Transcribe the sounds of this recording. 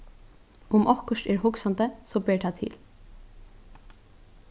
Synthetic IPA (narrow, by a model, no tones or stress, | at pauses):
ʊmʔɔhkəʂtɛːɹɦʊksant̪əsɔbɛːɹʈʰat̪ʰɪ̰ːl